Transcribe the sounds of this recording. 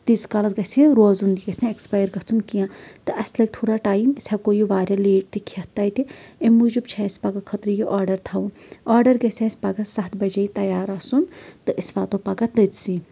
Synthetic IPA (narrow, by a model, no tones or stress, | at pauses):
t̪iskɐlɐsɡɐsiɾoːzuniɡɐsʲneekspaːjɾkɐt͡sʰunkijãt̪ɨʔɐsʲlɐɡ̚ʲt̪ʰoːɽaʈaːjmisʲʰakoːjuʋaːɾjaleːʈ̚t̪ikʰɐt̪ːɐjt̪iemud͡ʒubt͡ʃʰɐsʲpɐɡɐkʰɐt̪ɾijiʔaːɾɖɐɾt̪ʰaũɔːɾɖɐɾɡɐsʲesʲpɐɡɐsɐt̪bɐd͡ʒɐit̪ɐjaːɾɐsunt̪ɨʔisʋaːt̪opɐɡɐt̪d̪ɐt̪si